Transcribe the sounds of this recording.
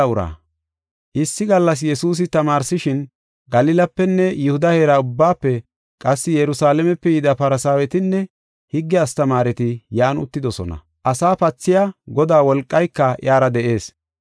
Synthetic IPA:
ʊɾa̰ː | ʔɪsːɪɡɐlːɐs̬jɛsuːs̬ɪt̪ɐmaːɾsɪʃɪn | ɡɐlɪlɐpːɛnːɛjʊhʊd̪ɐheːɾaʊbːaːpːɛ | kʼɐsːɪjɛɾʊsaːlɛmɛpːɛjɪd̪ɐpɐɾɐsaːwɛt̪ɪnːɛ | hɪɡːɛɐst̪ɐmaːɾɛt̪ɪjaːnʊ̰t̪ːɪd̪ɔsɔ̰nɐ̰ | ʔɐsaːpɐt͡sːɪjaɡɔd̪aːwɔlkʼːɐjkːɐʔj̰aːɾɐd̪ɛʔe̞ːs

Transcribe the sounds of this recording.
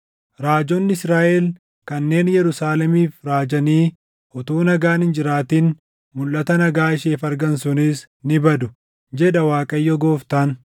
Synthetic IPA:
ɾaːd͡ʒɔnːɪɪsɾaːʔel | kɐnːe̞ːnjɛɾʊsaːlɛmiːfɾaːd͡ʒɐniː | ʔɔt̪uːnɐɡaːnhɪnd͡ʒɪɾaːt̪iːn | mʊlʔɐt̪ɐnɐɡaːɪʃeːfɐɾɡɐnsʊnis | nɪbɐd̪ʊ | d͡ʒɛᶑɐwaːkʼɐjːɔɡoːft̪an

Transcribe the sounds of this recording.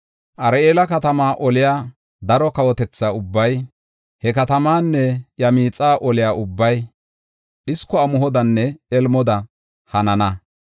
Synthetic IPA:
ʔɐɾeːlɐkɐt̪ɐmaːʔɔlɪjaː | d̪ɐɾɔkɐwɔt̪ɛt͡sːaːʊbːɐj | hɛkɐt̪ɐmaːnːɛjɐmiːt͡sʼaːʔɔlɪjaːʔʊbːɐj | ʔɪskːɔɐmʊɦɔd̪ɐnːɛɛlmɔd̪ɐ | hɐnɐnɐ

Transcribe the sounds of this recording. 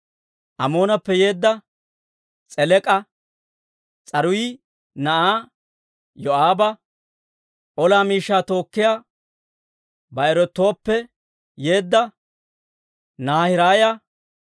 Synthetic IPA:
ʔɐmo̞ːnɐpːɛje̞ːd̪ːɐ | t͡sʼɛlɛkʼɐ | t͡sʼɐɾʊjɪ | nɐʔaː | jɔaːbɐ | ʔɔlaːmiːʃːaːt̪o̞ːkːɪjaː | bɐɛɾɔt̪ːo̞ːpːɛ | je̞ːd̪ːɐ | naːhɪɾaːjɐ

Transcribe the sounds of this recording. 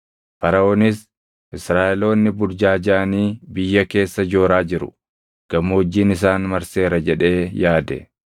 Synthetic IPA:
fɐɾɐoːnɪs | ʔɪsɾaːʔɛlo̞ːnːɪbʊɾd͡ʒaːd͡ʒaːniːbɪjːɐke̞ːsːɐd͡ʒo̞ːɾaːd͡ʒɪɾʊ̰ | ɡ̥ɐmːoːd͡ʒːiːnɪs̬aːnmɐɾse̞ːɾɐd͡ʒɛᶑe̞ːjaːd̪ɛ̰

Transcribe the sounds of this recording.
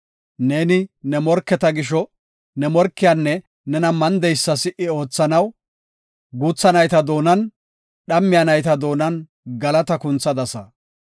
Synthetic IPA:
ne̞ːnɪnɛmɔɾkːɛt̪ɐɡɪʃ̬ɔ | nɛmɔɾkːɪjanːɛ | nɛnɐmɐnd̪ɛjsːɐsɪʔɪo̞ːt͡sːɐnɐw | ɡuːt͡sːɐnɐjt̪ɐd̪o̞ːnɐn | ɗɐmːɪjɐnɐjt̪ɐd̪o̞ːnɐn | ɡɐlɐt̪ɐkʊnt͡sːɐd̪ɐsɐ

